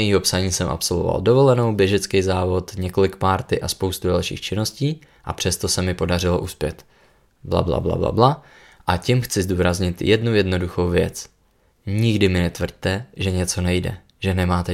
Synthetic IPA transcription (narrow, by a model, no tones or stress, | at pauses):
jiːɦo̞psaɲiːsɛmʔa̰pso̞lvova̰ldo̞vo̞lɛno̞wbjɛʒɛt͡skɛjzaːvo̞t̪ɲɛko̞lɪkpaːɾt̪ɪʔaspo̞wst̪udalʃḭːxt͡ʃɪno̞sciː | ʔa̰pr̥ɛst̪o̞sɛmɪpo̞darɪlo̞̰ʔuspjɛt̪ | bla̰bla̰bla̰bla̰bla | ʔacɪmxt͡sɪzduːɾazɲɪt̪jɛdnujɛdno̞duxo̞wvjɛt͡s | ɲɪɡdɪmɪnɛt̪vr̩ɟ̚t̪ɛʒɛɲɛt͡so̞nɛjdɛ̰ | ʒ̥ɛnɛmaːt̪ɛ